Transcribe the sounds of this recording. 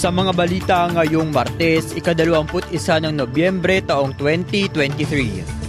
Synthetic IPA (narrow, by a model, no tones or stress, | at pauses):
sɐmɐŋabɐliːt̪ɐŋɐjoŋmɐɾt̪ɛsʔɪkɐd̪ɐloʔɐŋpʊt̪̚ʔɪsanɐŋnobjɛmbɾɛt̪ɐʔoŋt̪wɛnt̪it̪wɛnt̪iθɾi